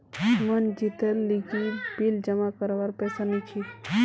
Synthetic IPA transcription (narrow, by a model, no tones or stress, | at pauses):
mənd͡ʒit̪əlːiɡibild͡ʒəmakəɾʋaɾpɛːsanət͡ʃʰi